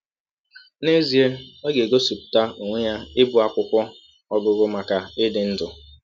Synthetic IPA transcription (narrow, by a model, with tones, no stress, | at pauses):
ne˦zi˨e˦ɔ˦ɡe˨ɡo˦su˨pta˦o˨ŋʷe˦ja˦ɪ˦bu˨a˨kʷʊ˦kʷɔ˦ | ɔ˦bʊ˦ɣʊ˦ma˨ka˨ɪ˦dɪ˨n̩˦dʊ˨